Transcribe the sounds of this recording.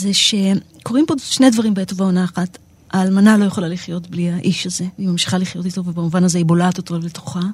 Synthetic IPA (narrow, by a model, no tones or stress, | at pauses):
zeʃe̞ | ko̞ʁimpo̞ʃne̞jdvaʁimbetovaonaːχat | aːlmanalo̞jeχolaliχjo̞tbliaʔiʃaze̞imamʃi̥χaliχjo̞tito̞vebamuvanazeibolat̪ot̪ole̞to̥χa